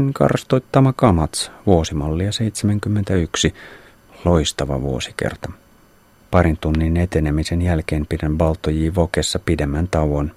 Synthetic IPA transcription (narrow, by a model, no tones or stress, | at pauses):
nkɑ̰rst̪ojt̪ːɑmɑkɑmɑt̪sʋuosimɑlːijɑse̞ijt̪semæŋk̟ymːent̪æyksi | loist̪ɑʋɑ̰ʋuo̰si̥kḛrt̪ɑ | pɑɾint̪unːine̞t̪e̞nemise̞njælk̟e̞ːmpidænʋɑlt̪ːojiːʋokesːɑpidemːænt̪ɑwon